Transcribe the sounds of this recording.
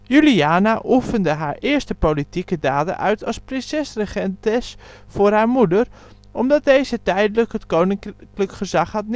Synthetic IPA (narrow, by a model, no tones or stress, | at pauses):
jyliaːnaʔufəndəɦaːɹʔɪːəɹstəpowlitikədaːdə̰ʔœɥtʰɑsprɪnsɛsrəχɛntɪs | fʊːrɦaːɹmudər | ʔɔmdɑt̚dejzətɛjdələkətkownɪŋkləkχəzɑχhɑt̚n